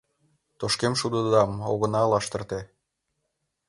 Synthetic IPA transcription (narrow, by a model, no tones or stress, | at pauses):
t̪oʃkemʃud̪əd̪ɑmoɣə̆nɑlɑʃt̪ə̆rt̪e